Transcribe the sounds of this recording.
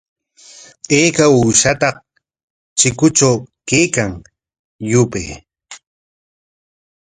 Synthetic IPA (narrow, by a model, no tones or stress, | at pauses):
eːkauːʃat̪ɑq̚ | t͡ʃɪkʊt͡ʃawkeːkaŋ | jʊpḛj